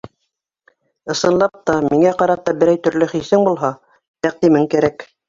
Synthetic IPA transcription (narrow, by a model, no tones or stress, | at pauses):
ɤ̆sɤ̆nlˠɑp̚t̪ɑmiŋæqɑɾɑt̪ɑbɘ̆ɾæjt̪ɵ̆ɾlɵχisɘŋbulˠɦɑ | j̪æq̚t̪imɘŋkæɾæk